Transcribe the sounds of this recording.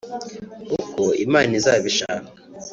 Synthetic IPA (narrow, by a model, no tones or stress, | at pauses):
ukoḭmaːnizaːβiʃama